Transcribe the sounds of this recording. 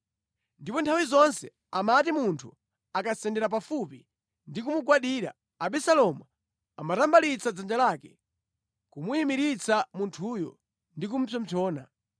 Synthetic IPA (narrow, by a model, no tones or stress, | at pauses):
ndipɔntʰawizɔnsɛ | amatimuntʰu | akasɛndɛɾap̬afupi | ndikumuɡwaɗiːɾa̰ | aɓɛsalɔmu | a̰matambalit͡sad͡zand͡ʒalaːkɛ | kumuimiɾit͡samuntʰuːjɔ̰ | ndikum̩pʰjɔm̩pʰɔːna̰